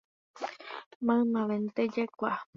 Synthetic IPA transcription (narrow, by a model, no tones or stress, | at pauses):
mãɨmãʋẽnt̪ed͡ʒekʷa